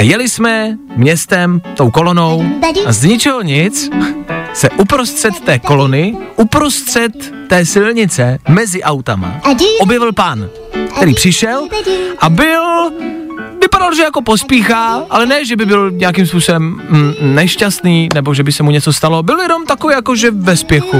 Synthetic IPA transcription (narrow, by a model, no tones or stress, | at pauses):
jɛlɪsmɛ | mɲɛst̪ɛmt̪o̞wko̞lono̞wazɲɪt͡ʃɪɦoɲɪt͡s | sɛʔupɾo̞st̪r̥ɛt̪ːɛːko̞lo̞nɪʔupɾo̞st̪r̥ɛt̪ː | ɛːsɪlɲɪt͡sɛmɛzɪʔawt̪ama̰ʔo̞bjɛvɪlpan | kkt̪ɛɾiːpr̥ɪʃɛlʔabɪl | vɪpadalʒɛjako̞pospiːxaːʔalɛnɛʒɛbɪbɪlɲɛjak̬imspuːso̞bɛmnɛʃcast̪niːnɛbo̞ʒɛbɪsɛmuɲɛt͡so̞st̪alo̞bɪljɛno̞mt̪akoviːjakoʒɛvɛspjɛxu